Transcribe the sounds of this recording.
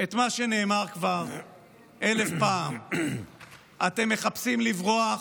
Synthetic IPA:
e̞t̪maʃe̞ne̞ːmaʁkvaʁ | ʔe̞lefpaːm | ʔat̪e̞mːe̞χapsimlivʁoa

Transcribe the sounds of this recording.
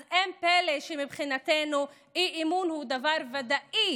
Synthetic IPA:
ʔempeleʃemibχinat̪enu | iʔimunhud̪avaʁvad̪aʔi

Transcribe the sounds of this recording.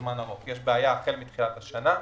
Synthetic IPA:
manaʁo̞kjeʃbeajaːχelmit̪χilat̪haʃana

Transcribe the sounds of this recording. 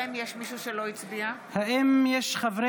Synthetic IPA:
imjeʃmiʃuʃeloit͡sbiahaʔimjɛʃχavʁe

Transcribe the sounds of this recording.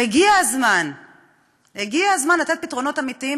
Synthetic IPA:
eɡiazman | heɡiaazmanlat̪et̚pit̪ʁo̞no̞t̪amit̪ii

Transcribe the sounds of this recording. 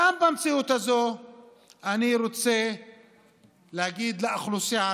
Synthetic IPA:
ambamt͡siut̪azo̞ | aniɾot͡se̞ | lehaɡid̪leʔaχlusija

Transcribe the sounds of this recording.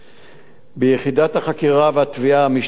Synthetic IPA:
bejeχidathaχakiʁaveat̪viaamiʃ

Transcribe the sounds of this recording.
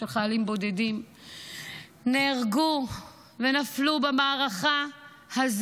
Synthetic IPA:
elχajalimbo̞dedim | neːʁɡu | venaflubemaːʁaχa | haz

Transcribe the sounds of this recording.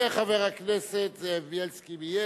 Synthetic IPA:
aχaveʁakneset̪zevjelskimije

